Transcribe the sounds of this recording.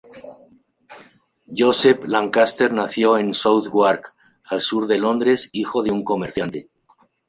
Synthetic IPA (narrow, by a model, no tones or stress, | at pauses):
ʝoseplaŋkast̪e̞ɾnaθjo̞e̞nsowθɣwaɾk | alsuɾðe̞lo̞nd̪ɾe̞sixo̞ðeuŋko̞meɾθjant̪e̞